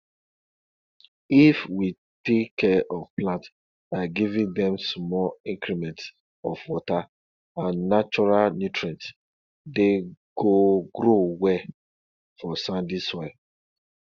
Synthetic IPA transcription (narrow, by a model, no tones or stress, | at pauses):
ifwi | tekkːɛʔɔvplãnt | aɡivĩŋdɛ̃msmɔlĩŋkɾimɛ̃nts | ɔfwɔta | ãnːat͡ʃɔɾalnjutɾãnt | deɡ̥oɡɾowɛ | fɔsãndisɔ